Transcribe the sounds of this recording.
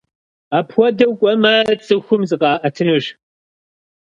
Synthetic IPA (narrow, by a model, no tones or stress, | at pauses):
aːpʰwʷɔdɐwkʷʼɔmɐt͡sʼɨxʷʊmzɨqɑːʔɐtʰɨnɨʒ